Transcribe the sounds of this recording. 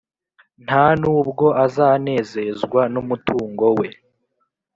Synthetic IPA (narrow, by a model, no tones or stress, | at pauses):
n̥anuːbɡo̞ʔazaːne̞ːze̞zɡwanumutuːŋɡo̞we̞